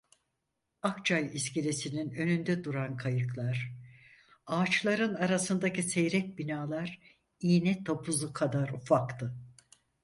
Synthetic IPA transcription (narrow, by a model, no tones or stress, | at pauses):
akt͡ʃʰajiscelesininø̞nynd̪ɛd̪uɾankʰajɯklˠaɾ̥ | aːt͡ʃlˠaɾɯnaɾasɯnd̪acisejɾɛc̚binaːlˠaɾ | iːnɛt̪ʰopʰuzukʰad̪aɾufakt̪ʰɯ